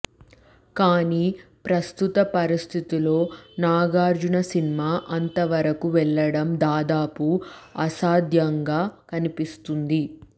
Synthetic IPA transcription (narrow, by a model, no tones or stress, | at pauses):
kaːniːpɾɐst̪ut̪ɐpɐɾist̪ʰit̪ilo̞ːnaːɡaːɾd͡ʒunɐsinimaːʔɐnt̪ɐʋɐɾɐkuʋɛɭːɐɽɐmd̪aːd̪aːpuɐsaːd̪ʱjɐŋɡaːkɐnipist̪und̪i